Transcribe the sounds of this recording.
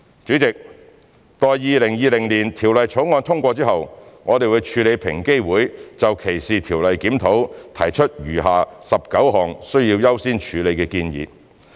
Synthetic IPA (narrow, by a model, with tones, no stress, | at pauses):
t͡sy˨˥t͡sɪ˨k̚ | t̪ɔː˨jjiː˨˧lɪ˨˩ŋjiː˧lɪ˨˩ŋliː˨˩nt̪ʰiː˨˩wlɐ˨jt͡ʃʰo˨˥wŋɔː˧nt̪ʰʊ˥ŋkʷɔː˧t͡siː˥hɐ˨wŋɔː˨˧t̪e˨jwu˨˧jt͡ʃʰyː˧le˨˧jpʰɪ˨˩ŋke˥jwuː˨˥jt͡sɐ˨wkʰe˨˩jsiː˨t̪ʰiː˨˩wlɐ˨jkiː˨˥mt̪ʰo˨˥wt̪ʰɐ̰˨˩jt͡ʃʰɵ˥t̚jyː˨˩ɦaː˨sɐ˨p̚kɐ˨˥wɦɔː˨ŋsɵ˥ɥjiː˧wjɐ˥wsiː˥nt͡ʃʰyː˨˧le˨˧jkɛː˧kiː˧njḭː˨˧